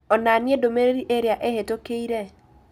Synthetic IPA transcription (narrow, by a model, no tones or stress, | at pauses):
ɔnaniedomeɾeɾiʔeɾjaʔehetokeiɾɛ